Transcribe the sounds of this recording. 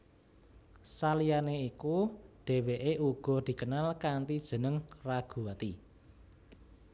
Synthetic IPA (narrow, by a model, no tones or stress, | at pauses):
salijaneikuɖ̥e̤weʔeʔuɡ̥ɔ̤d̪̥i̤kənalkant̪id̥ʒ̥ə̤nəŋraɡ̥ṳat̪i